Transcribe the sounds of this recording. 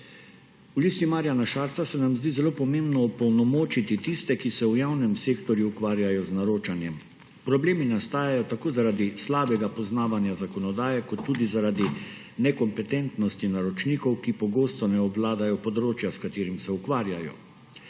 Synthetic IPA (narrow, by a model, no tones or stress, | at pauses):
uliːst̪imaːɾjanaʃaːɾt̪sasɛnamzd̪iːzɛloːpɔmembnɔupɔwnɔmoːt͡ʃit̪it̪ist̪ɛkisɛujawnɛmseːkt̪ɔɾjuːkʋaːɾjajɔznaɾoːt͡ʃanjɛm | pɾɔbleːminast̪aːjajɔt̪akoːzaɾaːd̪islaːbɛɡapɔznaːʋanjazakɔnɔd̪aːjɛkɔt̪ːuːd̪izaɾaːd̪i | nɛkɔmpɛt̪ɛnt̪nɔst̪inaɾɔt͡ʃniːkɔwkipɔɡoːst̪ɔnɛɔblaːd̪ajɔpɔd̪ɾoːt͡ʃjaskat̪eːɾimsɛukʋaːɾjajɔ̰